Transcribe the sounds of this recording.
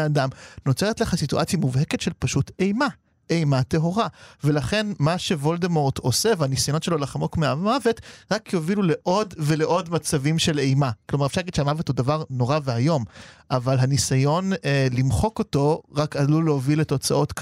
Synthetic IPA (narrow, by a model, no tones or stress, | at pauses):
adamno̞t͡seetleχasituʔat͡sjamuvhe̞ke̞tʃelpaʃute̞jma | ejmate̞ɦo̞ʁavelaχe̞nmaʃe̞vo̞ldemoʁto̞sevanisajonotʃe̞lo̞laχamokmeamave̞tʁakjovilule̞ʔo̞dve̞le̞ʔo̞dmat͡savimʃe̞le̞jmaklomaʁefʃaʁlaɡid̥̪ʃeamavethudavaʁno̞ʁaveajo̞mʔavalɦanisajo̞nlimχo̞ko̞to̞ʁakaluleovileto̞t͡saʔo̞tk